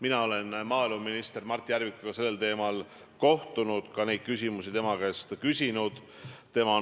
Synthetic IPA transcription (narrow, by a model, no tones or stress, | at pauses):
minɑo̞le̞nmɑːiluminist̪e̞rmɑrt̪ʲːˑiæɾvikuɡ̥ɑse̞lːe̞lt̪e̞ːmɑl | ko̞ht̪unud̪̥kɑne̞jd̪̥̚kysʲimusit̪e̞mɑɡ̥est̪kysʲinud̪̥ | t̪e̞mɑ